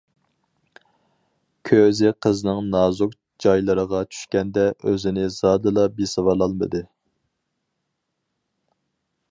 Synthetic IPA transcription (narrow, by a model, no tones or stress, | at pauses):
kʲʰøzɪqʰəznɨŋnɑːzuk | d͡ʒɑjlˠɨɾəʁɑt͡ʃʰy̥ʃkʲɛnd̪ɛʔøzɪnɪzɑːd̪ɨlˠɑbisɨwɑlˠɑlˠmɨ̰d̪ɨ